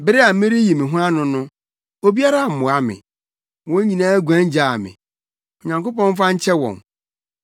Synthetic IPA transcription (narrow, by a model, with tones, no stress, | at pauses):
bɪ˦ɾɪ˦a˨m̩˦mɪ̃˦ɾɪ˦ji˨mɪ̃˨ɦʊ̃˦a˦nʊ̃˦nʊ̃˦ | o˦bi˦a˦ɾa˦˨m̩˨mʊ̃˨a˦mɪ̰̃˨ | wɔ̃˦ɲĩ˨nãː˦ɡʷæ̃˦ɲ˦d͡ʑa˦˨mɪ̰̃˨ | ɔ˨ɲã˨ŋko˦pɔ̃˦n˦fã˦ɲ̩˦t͡ɕʰɛ˦wɔ̰̃˨n